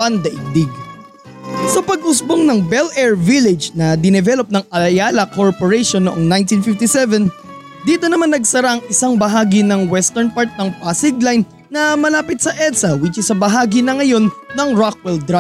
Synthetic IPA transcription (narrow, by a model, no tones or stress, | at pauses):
pɐnd̪ɐʔɪɡ̚d̪ɪɡ | sɐpɐɡ̚ʔʊsboŋnɐŋbɛlʔɛɹvilɪd͡ʒnɐd̪ɪnɛvɛlop̚nɐŋɐɐjaːlɐkoɹpoɹɛʃonːoʔoŋnajnt̪infɪft̪isɛvɛn | d̪iːt̪onɐmanːɐɡsɐɾaʔɐŋʔɪsaŋbɐɦaːɡinɐŋwɛst̪ɛɹnpaɹt̪̚nɐŋpasɪɡlajnːɐmɐlaːpɪt̪̚sɐʔɛt̪sɐwit͡ʃɪsɐbɐɦaːɡinɐŋɐjo̞nːɐŋɹak̚wɛld̪ɾa